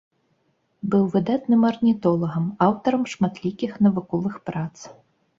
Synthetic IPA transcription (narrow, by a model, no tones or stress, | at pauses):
bɨwvɨd̪at̪nɨmɐrnʲit̪ɔlˠɐɣɐmawt̪ɐɾɐmʂmat̪lʲikʲixnɐvukɔvɨxpɾat̪s